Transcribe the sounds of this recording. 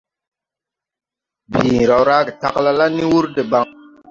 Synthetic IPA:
bi˨ɾa˨wɾa˦ɡe˨ta̰˨kla˦la˦ni˦wu˦ɾde˨ba˨ŋ

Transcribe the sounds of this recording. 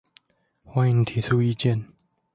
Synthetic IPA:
xwa˥˩ɪi˧ŋt̪ʰi˨˥t͡sʰu˥i˥˧t͡ɕjɛ˥˩˨n

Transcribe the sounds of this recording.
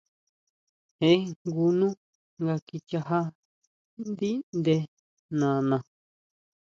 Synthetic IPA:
hẽ˧˦ɡu˧nũ˦ | ŋɡa˧ki˧t͡ʃa˧ɦa˦ | nd̪i˦nd̪e˧ | nã˨nã˨

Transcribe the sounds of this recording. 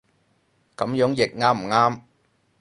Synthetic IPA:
kɐ˨˧˥mjœː˨˥ŋjɪ˨k̚ŋaː˥m̩˨˩ŋaː˥m

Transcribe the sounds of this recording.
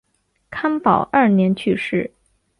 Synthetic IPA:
kʰa˥npɑ˨˩ʊʔɐ˞˥˩njɛ˧˥nt͡ɕʰy˥˧ʂɻ̩˥˩

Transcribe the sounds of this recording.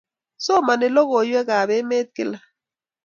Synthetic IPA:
sɔ˦ma˨nɪ˨lɔ˦ɣo˨jwɛ˦ɣa˨βɛ˦me˦t̪̚kɪ˨la˨

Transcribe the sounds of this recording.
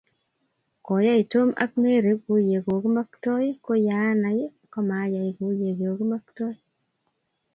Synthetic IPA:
kɔ˨ja˦i˨to˦ma̰˦k̚me˦ɾe˨˦ko˨˦je˨ɡo˨ki˦ma˦ktɔ˦jko˦ja˨˦na˨je˦ | kɔ˦ma˨˦ja˨i˨ɡo˨˦je˨ɡe˨o˨ki˦ma˦ktɔ˦

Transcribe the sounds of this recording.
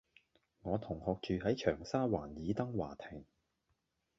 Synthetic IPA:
ŋɔː˨˧t̪ʰʊ˨˩ŋhɔː˨˧k̚t͡ʃyː˨ɦɐ˨˥jt͡ʃʰœː˨˩ŋsaː˥waː˨˩njiː˨˧t̪ɐ˥ŋwa̰ː˨˩t̪ʰɪ˨˩ŋ

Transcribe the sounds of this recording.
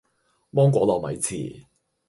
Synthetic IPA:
mɔː˥ŋkʷɔː˨˥lɔː˨mɐ̰˨˥jt͡sʰḭː˨˩

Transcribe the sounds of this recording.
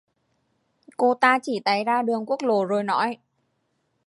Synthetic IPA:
ko˧t̪aː˧t͡ɕi˧˩t̪a˨˦jzaː˧ɗɨ˨˩əŋku˦˥ək̚lo˧˩zo˨˩jnɔ̰˧˨˥j

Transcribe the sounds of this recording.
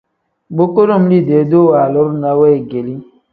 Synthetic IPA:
bo˦ko˦ɾo˦˨m̩˦li˦˨de˨˦do˦˨wa˨lɔ˦ɾu˦na˨˦wɛ˦e˨ɡe˨li˦

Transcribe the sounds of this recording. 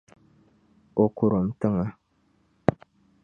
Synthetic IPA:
o˨ku˨ɾo˨m̩˨˦tə˦ŋa˦

